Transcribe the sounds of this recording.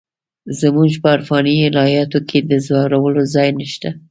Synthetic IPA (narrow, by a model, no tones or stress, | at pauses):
zəmuʒpəaɾfɑniɪlɑjɑt̪okʰed̪əzɑwɾawəlozɑjnəʃt̪a